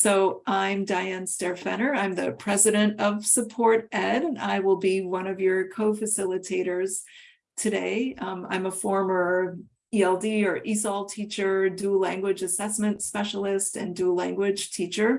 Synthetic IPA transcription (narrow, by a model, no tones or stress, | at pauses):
soʊʔãɪ̃mdaɪɨ̃nstɛɹfɛ̰̃ñə˞ãɪ̃mðɨ̰pʰɹ̥ɛzɨɾɨ̃ntʌv̥sɨpʰɔɹɾɛɾɨ̃na̰ɪwɪlˠbiwʌ̃ñʌvjə˞kʰoʊfɨsɪlˠətʰeɪɾə˞z̥ | tʰɨdeɪã̰ɪ̃məfɔɹmə˞ | iɛlˠdiə˞ʔisɔlˠtʰit͡ʃə˞dulæ̃ŋɡwɨd͡ʒɨsɛsmɨ̃ntspɛʃl̩ˠɪstɨ̰̃ndulæ̃ŋɡwɪd̥ʒ̥tʰit͡ʃə˞